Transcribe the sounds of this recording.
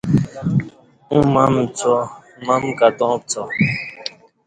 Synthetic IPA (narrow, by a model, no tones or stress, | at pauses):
ũmãm̩t͡sɔmãm̩kat̪ɔ̃p̚t͡sɔ